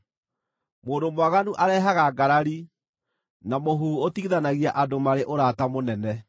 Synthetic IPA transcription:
moːndomwaɣanuʔaɾɛːɦaɣaɡaɾaɾi | namoɦuotiðanaɣiaʔadomaɾeʔoɾaːtamonɛnɛ

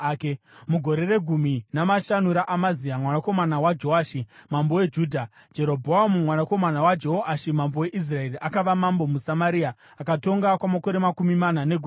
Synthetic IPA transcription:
k | muɡʱo̞ɾe̞re̞ɡʱuminamaʃanuɾaʔamaziamwanako̞manawad͡ʒoaʃimambo̞we̞d͡ʒuːdʱa | d͡ʒe̞ɾo̞bʱoamumwanako̞manawad͡ʒoɦoʔaʃimambo̞we̞ʔis̬rae̞riʔakaʋamambo̞musamaɾia | akato̞ŋɡakwamako̞ɾe̞makumimanane̞ɡʱu

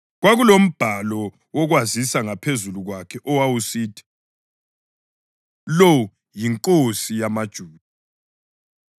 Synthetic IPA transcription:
ɣwaɣulom̩b̥ʱalɔ | wɔɣwazisaŋapʰezuluɣwakʰɛʔɔwawusiːtʰi̥ | lɔ | jiŋkʼosijamad̥ʒ̥ʱuːd

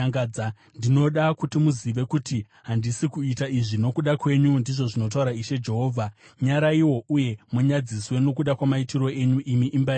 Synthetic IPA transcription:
ŋad͡za | ndino̞ɗakutimuziʋe̞kuti | ɦandisikuitaiʐino̞kuɗakwe̞ɲundiʐo̞ʐinot̬auɾaiʃe̞d͡ʒe̞ɦo̞ːvʱa | ɲaɾaiwo̞uje̞muɲad͡ziswe̞no̞kuɗakwamaitiro̞e̞ɲuʔimiʔimba

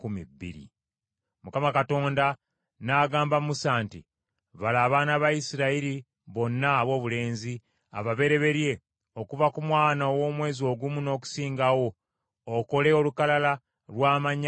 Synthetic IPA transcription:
kumḭbːḭɾḭ | mukamakato̞ːnda | naɡaːmbamusaːnti | βalaːβaːnaβajisiɾaiɾi | βo̞nːaːβwo̞ːβule̞ːnzi | a̰βaβe̞ɾe̞βe̞ɾje̞ | o̞kuvakumwaːnaowo̞ːmwe̞ːzio̞ːɡumuno̞ːku̥siːŋɡawo̞ː | ko̞le̞o̞lukalala | lwaːmaɲ

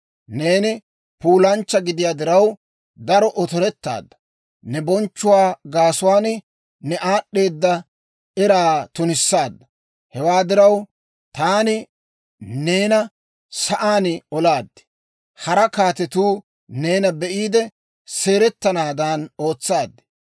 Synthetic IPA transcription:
ne̞ːnɪ | puːlɐnt͡ʃːɐɡɪd̪ɪjaːd̪ɪɾɐw | d̪ɐɾɔʔɔt̪ɔɾɛt̪ːa̰ːd̪ːɐ | nɛbɔnt͡ʃːʊwaːɡaːsʊwaːn | nɛʔaːɗːe̞ːd̪ːɐ | ʔɛɾaːt̪ʊnɪsːaːd̪ːɐ | hɛwaːd̪ɪɾɐw | t̪aːnɪ | ne̞ːnɐ | sɐʔaːnɪɔlaːd̪ːɪ̥ | hɐɾɐkaːt̪ɛt̪uː | ne̞ːnɐbɛʔiːd̪ɛ | se̞ːɾɛt̪ːɐnaːd̪ɐno̞ːt͡sːaːd̪ːɪ̥

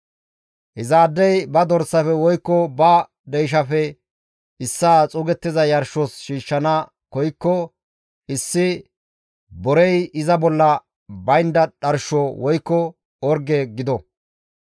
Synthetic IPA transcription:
ʔɪzaːd̪ːɛjbɐd̪ɔɾsːɐfɛwɔjkːɔbɐ | d̪ɛjʃ̬ɐfɛ | ɪsːaːt͡sʼʊɡɛt̪ːɪzɐjɐɾʃɔsʃiːʃːɐnɐ | kɔjkːɔ | ʔɪsːɪ | bɔɾɛjɪzɐbɔlːɐ | bɐjnd̪ɐᶑɐɾʃɔwɔjkːɔ | ɔɾɡeɡɪd̪ɔ

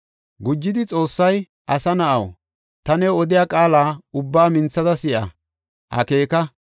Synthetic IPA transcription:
ɡʊd͡ʒːɪd̪ɪt͡sʼo̞ːsːɐj | ʔɐsɐnɐʔɐ̰w | t̪ɐnɛɔd̪ɪjaːkʼaːlaːʊbːaːmɪnt͡sːɐzɐsɪʔɐ̰ | hɐ̰ke̞ːkɐ

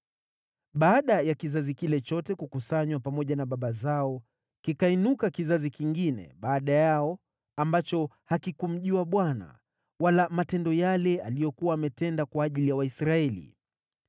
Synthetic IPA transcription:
ɓaːɗajakizazikilɛt͡ʃɔtɛkukusaɲwapamɔʄanaɓaɓazaɔ | kikainukakizazikiŋɡinɛ̰ɓaːɗajaɔ | ambat͡ʃɔhakikum̩ʄuaɓwana̰ | walamatɛndɔjalɛalijɔkuwaːmɛtɛndakwaːʄilijawaisɾaɛlḭ

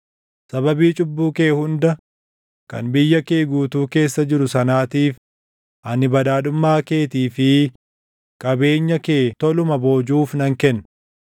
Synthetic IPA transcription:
sɐβɐbiːt͡ʃʼʊbːuːke̞ːhʊnd̪ɐ | kɐ̰nbɪjːɐkeːɡuːt̪uːke̞ːsːɐd͡ʒɪɾʊsɐnaːt̪iːf | ʔɐnɪbɐd̪aːᶑʊmːaːke̞ːt̪iːfɪ | kʼɐbe̞ːɲːɐke̞ːt̪ɔlʊmɐbo̞ːd͡ʒuːfnɐŋkɛnː

